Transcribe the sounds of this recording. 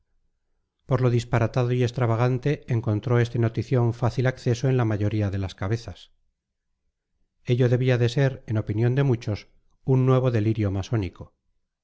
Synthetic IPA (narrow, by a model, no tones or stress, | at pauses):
po̞ɾlo̞ðispaɾat̪að̞o̞ie̞st̪ɾaβaɣ̞ant̪e̞ːŋko̞nt̪ɾoe̞st̪e̞not̪iθjo̞ɱfaθilakθe̞so̞e̞nlamaʝo̞ɾiaðelaskaβe̞θas | e̞ʎo̞ðe̞βiaðe̞seɾe̞no̞pinjo̞nd̪e̞mut͡ʃo̞s | unːwe̞β̞o̞ðe̞liɾjomaso̞niko